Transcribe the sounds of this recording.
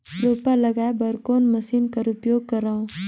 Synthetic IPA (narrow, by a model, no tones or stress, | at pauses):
loːpalɐɡaːebɐɾkoːnmɐsiːnkɐɾupjoːɡ̚kɐɾaũ